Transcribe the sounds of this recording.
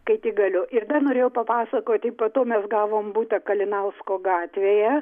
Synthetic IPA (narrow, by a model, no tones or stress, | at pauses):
kɐɪt̪ʲiːɡɐlʲʊʔɪrd̪ɐnoːɾʲeːjɛʊpɐpɑːsɐkoːt̪ʲɪpɐt̪oːmʲɛsɡɑːʋoːmbuːt̪ɐkɐlʲɪnɐlˠskoːɡɑːt̪ʲʋʲeːjɛ